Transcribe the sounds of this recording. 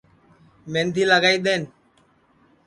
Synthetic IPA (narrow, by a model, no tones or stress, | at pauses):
mẽːnd̪ʰiːləɡaːiːɗ̪eːn